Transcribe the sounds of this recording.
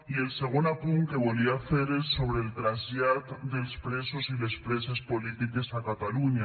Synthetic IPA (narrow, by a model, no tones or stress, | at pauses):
ie̞lse̞ɣ̞onapuŋke̞βoliaθe̞ɾelso̞βɾelt̪ɾazʎjaɾt̪d̪e̞lspɾe̞sosile̞spɾe̞sespo̞lit̪ike̞sakat̪aluɲa